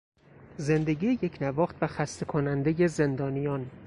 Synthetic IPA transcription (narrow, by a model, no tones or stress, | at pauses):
ze̞nd̪e̞ɟiːje̞cʰnævɒːχt̪væxæst̪ekʰonænd̪e̞je̞ze̞nd̪ɒːnijɒn